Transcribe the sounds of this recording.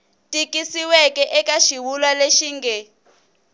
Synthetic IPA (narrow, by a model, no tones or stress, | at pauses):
tʼikʼisiwɛkʼɛʔɛkʼaʃiwulwaleʃiːŋɡɛ